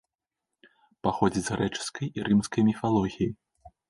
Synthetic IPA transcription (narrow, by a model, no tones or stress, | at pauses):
paxɔd͡zʲizɾɛt͡ʂɨ̥skɐjiɾɨmskɐjmʲifalˠɔɣʲiji